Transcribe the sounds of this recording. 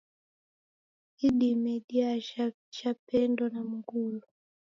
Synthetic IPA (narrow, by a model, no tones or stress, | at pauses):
iɗimɛɗiaa | ʃapɛndɔnam̩ɡulɔ